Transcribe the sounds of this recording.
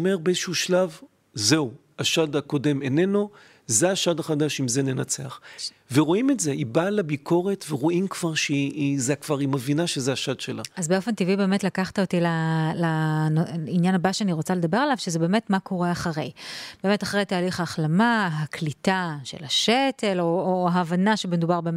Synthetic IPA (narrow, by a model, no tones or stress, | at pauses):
me̞ʁbeezeʃuʃlav | ze̞u | aʃadako̞de̞meneno̞ | zeaʃadaχadaʃimzene̞nat͡seaχ | veʁoimetzeʔibalabikʰo̞ʁetveʁoʔimkv̥aʁʃeizeakv̥aʁimevinaʃezeaʃad̪ʃela̰azbeo̞fe̞ntivibe̞ːmetlakaχt̪aotilalanoinjanabaʃeaniʁot͡sale̞d̪abe̞ʁalavʃezebe̞ːmetmakʰo̞ʁeaχaʁe̞jb̥eːme̞taχʁe̞jtaːliχaːχlamaɦaklitaʃe̞̰laʃetʰe̞loohaːvanaʃebemed̪ubaʁbem